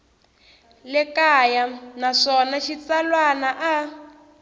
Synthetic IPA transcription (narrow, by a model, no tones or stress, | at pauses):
lɛkajanaʂɔnaʃit͡salwanaʔa